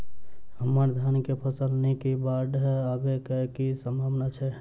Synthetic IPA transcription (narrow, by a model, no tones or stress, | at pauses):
ɦəməɾd̪ʱjankepʰəsəlnɛkibaɖɦabekəkisəmbʱabnat͡ʃʰɛ